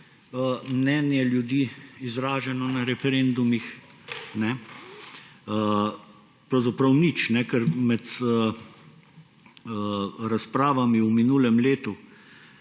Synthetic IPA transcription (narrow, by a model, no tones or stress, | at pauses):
əmnɛːnjɛljud̪iːizɾaːʒɛnɔnaɾɛfɛɾend̪umixnɛ | ə | pɾɐwzapɾɐwnit͡ʃnɛkɛɾmɛt̪ː | ɾaspɾaːʋamiuminuːlɛmleːt̪u